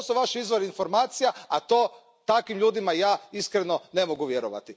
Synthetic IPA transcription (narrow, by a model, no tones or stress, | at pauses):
suʋaʃizʋo̞ɾiinfo̞ɾmaːt̪sijaat̪o̞ː | t̪akʋimʎuːd̪imajaːiskɾeno̞ne̞moɡuʋje̞ɾoʋa̰t̪i